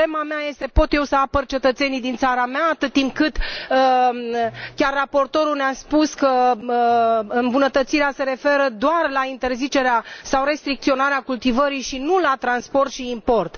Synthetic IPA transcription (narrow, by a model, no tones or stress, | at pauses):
lemameaje̞st̪e̞po̞t̪je̞wsəapərt͡ʃe̞t̪ət̪se̞nid̪int̪saɾamaːt̪ɨt̪ːimp̚kɨt̪ə | kʲarːapo̞rt̪o̞ɾulneaspuskəəɨmbunət̪ət̪siɾease̞ɾe̞fe̞ɾəd̪oarlaint̪e̞rzit͡ʃe̞ɾeasawɾe̞st̪ɾik̚t̪sio̞naɾeakult̪ivəɾiʃinulat̪ɾanspo̞rt̪ʃiːmpo̞rt̪